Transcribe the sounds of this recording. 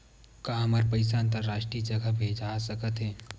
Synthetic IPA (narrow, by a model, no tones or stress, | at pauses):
kaɦɐmaːɾpəɪs̬aə̃nt̪əɾːaːʃʈɾiːd͡ʒɐɡabʱeːd͡ʒasɐkət̪ɦɛː